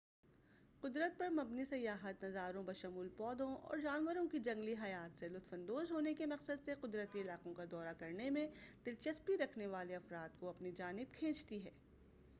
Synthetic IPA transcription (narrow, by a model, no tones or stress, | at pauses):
qʊd̪ɾət̪̚pɐɾmɐbnisɐjːaːɦət̪nɐzaːɾõbɐʃɐmuːlpɔːd̪õɔ̰ːɾd͡ʒaːnʋəɾõkid͡ʒɐ̃ŋɡliɦɐjaːt̪selʊt̪fɐ̃nd̪oːzɦoːnekemɐqsəd̪seqʊd̪ɾət̪iɪlaːqõkad̪ɔːɾakɐɾnemẽd̪̥ɪlt͡ʃɐspiɾɐkʰneʋaːleɐfɾaːt̪̚koɐpnid͡ʒaːnɪb̚kʰẽːt͡ʃt̪iɦɛː